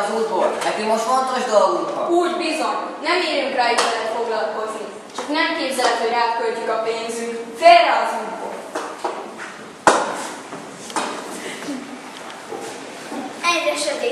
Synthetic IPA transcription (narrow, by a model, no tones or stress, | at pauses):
zuːt̪boɾɛt̪imoʃt̪font̪oʒd̪out̪ouːɟbizo̞ɲnɛmeːɾyŋkraːiʃɛt̪fo̞ɡlɒlko̞znik | t͡ʃɒknɛmkeːbzɛlt̪hoɾaːt̪kølcykɒpeːnzyŋkferɛɒzuːt̪bo̰ | ɛd̪ɛʃɛd̪e